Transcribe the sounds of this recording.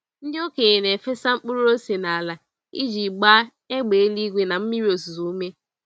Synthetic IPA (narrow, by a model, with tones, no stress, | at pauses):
n̩˦dɪ˦o˦ke˨e˨ne˨fe˦sa˦ŋ͡m̩˦k͡pu˦ɾu˦o˦se˨na˨a˨la˨ | ḭ˦d͡ʒi˨ɡ͡ba˦ | e˦ɡ͡be˨e˦li˦ɡʷe˦na˨m̩˦mi˦ɾi˦o˨su˨zu˨˦u˦me˦